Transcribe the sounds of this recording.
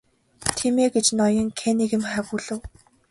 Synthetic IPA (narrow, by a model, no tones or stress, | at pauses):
t̪ʰimeɡet͡ɕnɔjɞ̆ŋkʰeniɣɘ̆mχæwuːɮɘ̆w